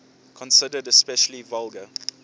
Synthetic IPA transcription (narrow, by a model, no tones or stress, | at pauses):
kʰɔ̃nsɪdədɛspɛʃəlivalˠɡə